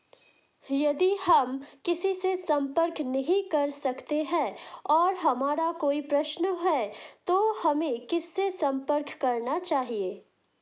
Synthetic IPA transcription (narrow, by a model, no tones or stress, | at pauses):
jɐd̪ihɐmkɪsisesɐ̃mpəɾknɐɦĩkɐɾsɐkt̪eɦɛːɔːɾɦɐmaːɾakoːipɾɐʃnəɦɛt̪ohɐmẽkɪsːesɐ̃mpəɾkːɐɾnat͡ʃaːɦieː